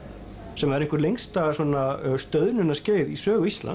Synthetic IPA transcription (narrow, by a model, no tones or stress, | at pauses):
sɛmɛɾẽŋkʏɾlejŋst̪aswɔnast̪œðnʏnascɪːjðisœːɣʏist̪la̰n